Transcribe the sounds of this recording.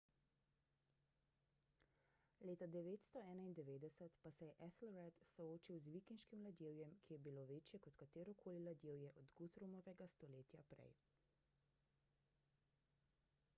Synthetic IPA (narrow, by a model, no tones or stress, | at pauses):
leːt̪ad̪ɛʋeːt̪st̪ɔɛːnaind̪ɛʋeːd̪ɛsət̪pasɛjɛʔɛt̪lɾɛt̪sɔoːt͡ʃiwzʋikinʃkimlad̪jeːwjɛmkʰijɛbiloːʋeːt͡ʃjɛkɔt̪kat̪eːɾɔkʰoːlilad̪jeːwjɛʔɔd̪ɡut̪ɾumɔʋɛɡast̪ɔleːt̪japɾɛ̰j